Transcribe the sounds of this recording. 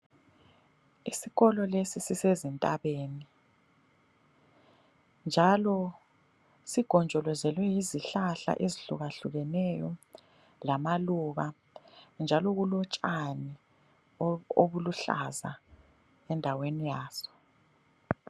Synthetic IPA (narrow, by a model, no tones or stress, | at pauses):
isiɣɔlɔlesisisezintʼaβeːni | nd͡ʒʱalɔ | siɡ̥ʱɔnd͡ʒʱɔlɔzɛlwɛjiziɬaɬa̰ʔeziɬuɣaɬuɣɛnɛjɔ | lamaluβa | nd͡ʒʱalɔɣulɔt͡ʃʼani | oβuluɬa̰za̰ | ɛndʱawenijaːz̥ɔ̥